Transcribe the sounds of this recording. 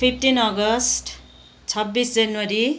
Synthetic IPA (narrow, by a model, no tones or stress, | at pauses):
pʰipʰʈinʌɡʌsʈ | t͡sʰʌbːisd͡zʌnwʌɾi